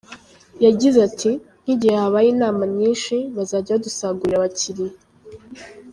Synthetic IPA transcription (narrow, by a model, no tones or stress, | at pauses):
jaɟizeatʰi | n̥iɟihehaβajiːnaːmaɲiːnʃiβazaːɟaβadusaːɡuɾiɾaβaciɾi